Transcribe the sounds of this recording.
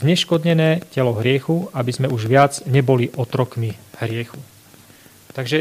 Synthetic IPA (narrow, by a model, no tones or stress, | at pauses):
zɲɛʃkɔd̪ɲɛnɛːcɛlɔɦɾɪɛxuabizmɛuʒʋɪad͡zɲɛbɔliʔɔt̪ɾɔkmihɾɪɛxu | t̪aɡʒɛ